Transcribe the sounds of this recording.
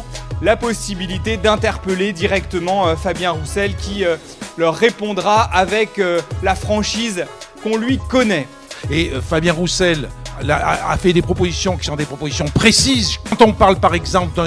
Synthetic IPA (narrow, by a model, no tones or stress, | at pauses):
lapɔsibilit̪ed̪ɛ̃t̪ɛʁpəled̪iʁɛkt̪əmɑ̃øfabjɛ̃ʁusɛlkʲiø | lœʁːepɔ̃d̪ʁaavɛkølafχɑ̃ʃizkɔ̃lɥikɔnɛ | eøfabjɛ̃ʁusɛlaa̰a̰fɛd̪epχɔpozisjɔ̃kʲi̥sɔ̃d̪epχɔpozisjɔ̃pχesizɑ̃t̪ɔ̃paʁlpaʁɛɡzɑ̃pld̪ɛ̃